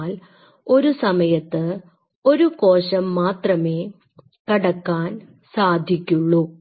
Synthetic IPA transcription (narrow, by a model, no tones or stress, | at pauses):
l | o̞ɾusɐmɐjɐt̪ːɨ | o̞ɾuko̞ːɕɐmːaːt̪rɐme̞ː | kɐɽɐkːaːn | saːd̪ʱikʲːuɭːu